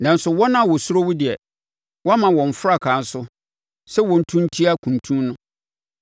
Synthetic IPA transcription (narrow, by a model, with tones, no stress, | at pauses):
nã˨n̩˦sʊ˨wɔ˦nã˦˨wɔ˨sʊ˦ɾo˦wu˦dɪ˨ɛ˨ | wɔ˦a˦mã˨wɔ̃˨ɱ̩˨fʊ˦ɾa˦˨kʰã˨n̩˦sʊ˦ | sɛ˦wɔ̃˨n̩˨tʰũ˦n˦tʰi˦a˦kʰũ˨n˨tʰũ˦mnʊ̃˦